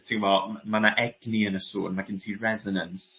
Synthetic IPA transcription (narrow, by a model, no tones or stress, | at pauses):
tʰiŋvɔlmanaʔɛɡ̥niənəso̰ːnmaɡɪntʰiːrɛzɔnəns